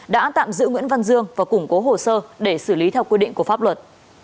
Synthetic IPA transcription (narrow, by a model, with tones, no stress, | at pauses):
ɗa̰ː˧˥t̪a̰ː˧˨mzɨ̰˧˥ŋwḭ˧˥ənva˧nzɨ˧əŋvaː˨˩kʊ˧˩ŋ͡mko˨˦ɦo˨˩səː˧ɗe˧˩sɨ˧˩li˨˦t̪ʰɛ˧wkwi˧ɗḭ˧˨ŋ̟ku˧˩əfaː˦˥p̚lwə˨˩t̚